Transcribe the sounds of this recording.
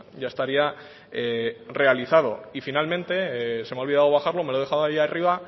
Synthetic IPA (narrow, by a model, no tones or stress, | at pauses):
ɟ͡ʝaest̪aɾia | ere̞aliθað̞o̞̰ifinalmẽ̞nt̪e̞semeaoβiðaðo̞β̞axaɾlo̞melo̞ðe̞xaðoajiariβa